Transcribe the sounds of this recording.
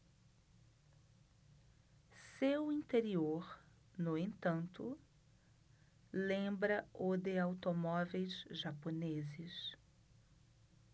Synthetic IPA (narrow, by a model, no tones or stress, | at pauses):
sewĩnt̪eɾioɾ | nʊẽnt̪ɐ̃nt̪ʊ | lẽbɾɐʊd̪eawt̪omɔvejzʒaponezɪs